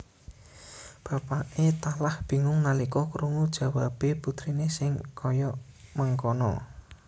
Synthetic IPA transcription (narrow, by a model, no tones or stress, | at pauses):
b̥ä̤paʔet̪alahb̥i̤ŋʊŋnalikɔkəɾuŋud̥ʒ̥a̤wab̥eput̪ɾinesɪŋkʰɔjɔməŋkɔnɔ̰